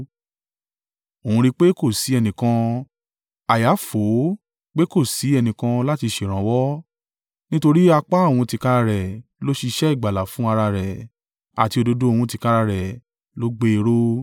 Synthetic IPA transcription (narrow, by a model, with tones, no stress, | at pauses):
o˨ũ˧ɾi˦˧k͡pe˦ko˦˨si˨˦ɛ˧nĩ˨kã˧ | a˨ja˨˦fo˨˦ | k͡pe˦ko˦˨si˨˦ɛ˧nĩ˨kã˧la˦ti˧ʃe˨ɾ̃ã˨wɔ˦ | nĩ˦to˧ɾi˦a˧k͡pa˦˨w̃ũ˧ti˧ka˦ɾa˧ɾɛ˨lo˦ʃi˧ʃɛ˦i˦˨ɡ͡ba˨la˨fũ˦a˧ɾa˧ɾɛ˨ | a̰˨ti˧o˧do˧do˦o˧wũ˧ti˧ka˦ɾa˧ɾɛ˨ | lo˨˦ɡ͡be˦˧ɾo˦